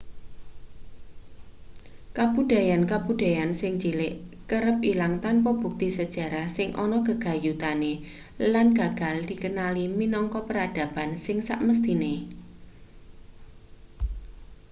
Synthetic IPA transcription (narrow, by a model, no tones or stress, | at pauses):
kab̥ud̥a̤jankabud̥a̤jansɪŋt͡ʃilɪʔkəɾəp̚ilaŋt̪anpɔb̥ṳk̚t̪isəd̥ʒ̥a̤ɾahsɪŋʔɔ̰nɔkəɡ̥a̤jut̪ane | lanɡ̥a̤ɡ̥a̤ld̪̥i̤kənaliminɔŋkɔpəɾad̥ä̤bansɪŋsa̰ʔməst̪ine